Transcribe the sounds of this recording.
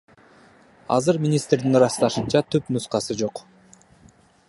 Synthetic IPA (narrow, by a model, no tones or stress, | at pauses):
ɑ̰zɯɾmʲinʲist̪ɾd̪inɾɑst̪ɑʃɯnt͡ʃɑt̪ʰypnusqɑsɯd͡ʒo̞q